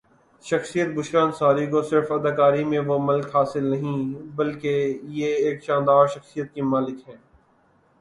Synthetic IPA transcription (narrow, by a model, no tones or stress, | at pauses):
ʃɐxsijət̪̚bʊʃkaːnsaːɾikosɪɾfɐd̪aːkaːɾimẽʋomɐlkɦaːsɪlnɐɦĩbɐlkejeeːkʃãːnd̪aːɾʃɐxsijət̪̚kimaːlɪkɦɛ̃ː